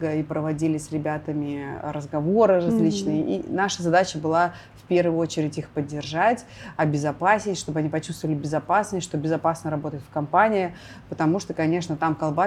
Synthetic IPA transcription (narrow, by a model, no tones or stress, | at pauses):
ɡəipɾəvɐdʲilʲɪsʲɾʲɪbʲat̪əmʲɪɾəzɡɐvo̞ɾɨrɐzʲlʲit͡ɕnɨjəʔḭnaʂəzɐd̪at͡ɕəbɨlˠa | fʲpʲe̞rvəɨo̞t͡ɕɪɾʲɪtʲixpədʲːɪrʐatʲɐbʲɪzɐpasʲɪtʲʂt̪o̞bɨɐnʲipɐt͡ɕu̥st̪vəvəlʲɪbʲɪzɐpasnəsʲtʲʂt̪obʲɪzɐpasnəɾɐbo̞t̪əjɪt̪fkɐmpanʲɪɪ | pət̪ɐmuʂt̪o̞kɐnʲe̞ʂnət̪amkɐlˠba